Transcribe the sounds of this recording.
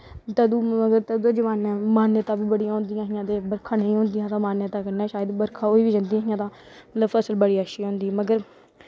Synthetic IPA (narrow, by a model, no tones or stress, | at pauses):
t̪əd̪uːəɡəɾt̪əd̪uːd̪ːd͡ʒəʋaːnɛ̃ːmaːnjət̪ãːbiːbəɽijãːɦʊ̃nd̪ɪjãːɦɪjãːt̪eːbəɾkʰãːnəĩːɦõːnd̪ɪjãːt̪ãːmaːnjət̪ãːkəɾnɛ̃ːʃaːjəd̪bəɾkʰãːoːiːʋiːd͡ʒənd̪ĩːaːɦɪjãːt̪ãː | mət̪ləbfʰəsəlbəɽiːəʃiːɦõːnd̪iːməɡəɾ